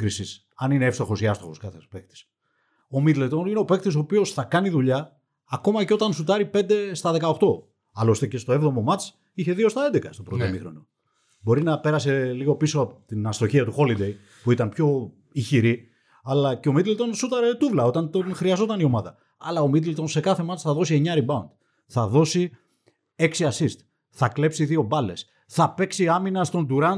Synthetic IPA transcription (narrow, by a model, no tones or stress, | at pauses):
kɾisis | ɐnineefst̪o̞xo̞siɐst̪oxo̞skɐθepe̞k̚t̪i̥s | o̞mit̪let̪o̞nineo̞pe̞kt̪iso̞ːpio̞sθɐkɐniðuʎɐː | ko̞mɐceo̞t̪ɐnsut̪ɐɾipe̞nd̪e̞st̪ɐðe̞kɐo̞xt̪o̞ | ɐlo̞st̪ece̞st̪oevðo̞mo̞mɐt͡s | içe̞ðio̞st̪ɐed̪e̞kɐst̪opɾot̪omixɾo̞no | bo̞ɾinɐpe̞ɾɐse̞liɣo̞piso̞ɐpot̪inɐst̪o̞çiɐt̪uxo̞lid̪e̞j | puit̪ɐnpço̞ | içiɾi | ɐlɐceo̞mit̪lt̪o̞nsut̪ɐɾt̪uvlɐo̞t̪ɐnt̪o̞nxɾiɐzo̞t̪ɐnio̞mɐðɐ | ɐ̰lɐo̞mit̪̬elt̪o̞nse̞kɐθe̞mɐt͡sθɐðo̞sie̞ɲɐɾibɐund̪ | θɐðo̞si | e̞ksiɐsist̪ | θɐkle̞psiðio̞bɐle̞s | θɐpeksiɐminɐst̪o̞nd̪uɾɐn